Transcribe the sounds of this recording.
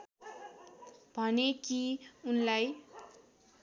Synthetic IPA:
b̥ʱʌnekiunlaj

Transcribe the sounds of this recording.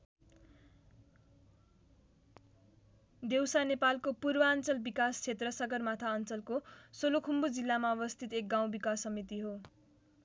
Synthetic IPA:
d̪ewsanepalkopurbʌʌnt͡sʌlbikast͡sʰet̪rʌsʌɡʌrmat̪ʰaʌnt͡sʌlkosolokʰumbud͡zilːamaʌbʌst̪ʰit̪ek̚ɡaw̃bikasːʌmit̪iɦo

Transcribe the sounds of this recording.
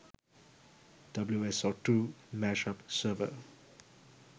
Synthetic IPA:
d̥abluɛsɔtumɛʃapsəvə̰

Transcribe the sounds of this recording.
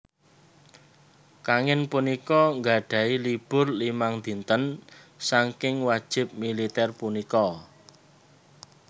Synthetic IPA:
kaŋɪnpunikɔŋɡa̤ɖ̥ä̤ilib̥ʊ̤rlimaŋd̪i̤nt̪ənsaŋkɪŋwad̥ʒ̥ɪ̤p̚milit̪ɛrpunikɔ

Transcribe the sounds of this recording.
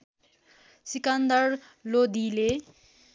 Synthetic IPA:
sikand̪ʌr | lod̪ile

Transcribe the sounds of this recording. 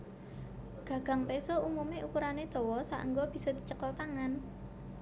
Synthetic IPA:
ɡ̥ä̤ɡ̥ä̤ŋpesɔumumeʔukuɾaned̪̥ɔ̤wɔsa̰ʔə̰ŋɡɔb̥i̤sɔd̪̥i̤t͡ʃəkɔlt̪aŋan

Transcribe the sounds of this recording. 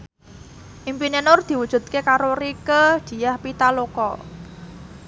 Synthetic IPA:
ʔimpinenʊrd̪̥i̤wud̥ʒ̥ṳt̪̚kekaɾorikəd̥i̤jahpit̪alokɔ

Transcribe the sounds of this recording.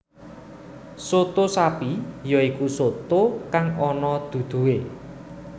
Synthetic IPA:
sot̪osapijɔikusot̪okaŋɔnɔd̪̥ṳd̪̥ṳe

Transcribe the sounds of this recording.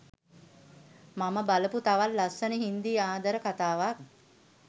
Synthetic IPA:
maməbaləput̪aʋalːasənəɦind̪iaːd̪əɾəkat̪aːʋak̚

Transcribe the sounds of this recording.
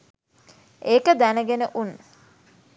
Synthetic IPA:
eːkəd̪ænəɡenəʔunː

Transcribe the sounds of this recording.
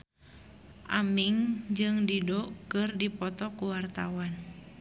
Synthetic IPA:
ʔamiŋd͡ʒɨŋdidɔkɨrdipɔt̪ɔkuwart̪awan

